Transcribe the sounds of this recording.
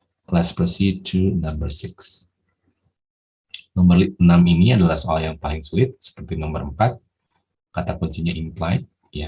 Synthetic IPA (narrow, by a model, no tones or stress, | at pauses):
laspɾəsitʰunambərsɪks | nɔmərənaminiadalahsoa̰ɾahjaŋpalɪŋsulɪt̪̚sə̥pərt̪inɔmbəɾəmpat̪̚ | kat̪akɔɲt͡ʃiɲaʔimplajt̪̚ | ja